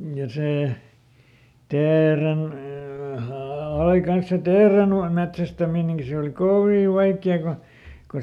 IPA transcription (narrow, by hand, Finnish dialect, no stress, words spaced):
jɑ seˑ teːren ɑi kɑns se teːren metsæstæmineŋki se oˑli koʋiˑ ʋɑikːiɑ ku ku